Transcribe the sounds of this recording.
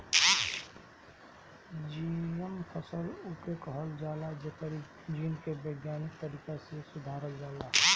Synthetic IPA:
d͡ʒijəmpʰəsəlukekəɦəld͡ʒaːlad͡ʒekəɾi | d͡ʒinkebəɡjaːnɪk̚t̪əɾiːkasesʊd̪ʱaːɾəld͡ʒaːlaː

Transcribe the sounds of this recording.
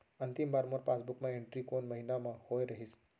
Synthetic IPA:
ənt̪ɪmbaːɾmoɾpaːsbʊkmãẽɳʈɾikonmɐɦinamãhojɾɐɦis

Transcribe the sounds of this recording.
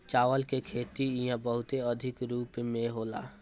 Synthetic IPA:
t͡ʃaːʋəlkekʰeːt̪ijãbəɦʊt̪eəd̪ʱɪkɾuːpmẽɦoːla̰ː

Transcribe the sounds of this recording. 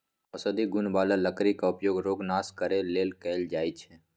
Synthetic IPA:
ɐsəd̪iɡʊnbaːlaləkɾikaʊpjoːɡɾoːɡnaːskəɾeleːlkɛːld͡ʒaːit͡ʃʰɛ

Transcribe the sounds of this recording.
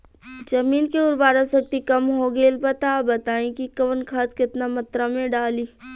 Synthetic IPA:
d͡ʒɐmiːnkeʊɾbaːɾasɐk̚t̪ikɐmɦoɡeːlbət̪aːbɐt̪aːẽkikɐʋənkʰaːt̪kɪt̪namɐt̪ɾamẽɖaːliː

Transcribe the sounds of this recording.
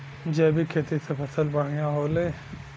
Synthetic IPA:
d͡ʒɛːbʱikʰeːt̪isepʰɐsəlbəɽ̤ijãɦoːleː

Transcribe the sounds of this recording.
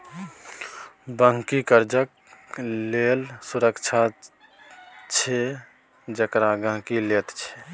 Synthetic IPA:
bə̃ŋkikəɾd͡ʒək | lelsuɾəkt͡ʃʰa | t͡ʃʰe | d͡ʒəkɾaɡə̃ɦkilet̪t͡ʃʰe̥

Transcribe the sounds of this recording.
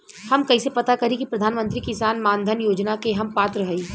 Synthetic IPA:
hɐmkɐisepɐt̪akɐɾikipɾɐd̪ʱaːnmə̃nt̪ɾikɪsaːnmãːnd̪ʱənjoːd͡ʒnakeɦɐmpaːt̪ɾəɦəiː

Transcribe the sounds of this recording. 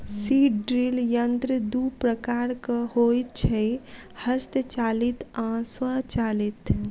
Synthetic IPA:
siʈɖɾiljənt̪ɾəd̪upɾəkaːɾkəhojt̪̚t͡ʃʰɛ | həst̪ət͡ʃaːlit̪ãswat͡ʃalit̪

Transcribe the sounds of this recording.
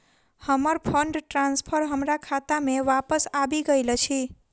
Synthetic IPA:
həməɾpʰəɳɖʈɾãnspʰəɾɦəmɾakʰat̪ameʋapəsabiɡəjlət͡ʃʰi

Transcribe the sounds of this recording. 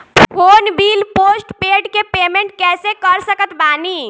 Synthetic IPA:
fʰonbilposʈpeɖkepemẽɳʈ̚kɛsekəɾsəkət̪bani

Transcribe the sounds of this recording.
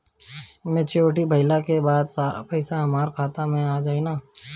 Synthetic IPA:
mẽt͡ʃoːʈibʱɐɪlakebaːd̪saːɾa̰pɛɪsaɦɐmaːɾkʰaːt̪amẽaːd͡ʒaːinaː

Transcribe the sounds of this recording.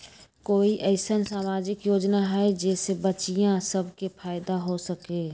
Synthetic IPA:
koːiʔəɪsənsaːmaːd͡ʒɪkjoːd͡ʒnaɦɛd͡ʒɛːsebət͡ʃijãsəbʱkepʰaːɪd̪aɦosəkeː

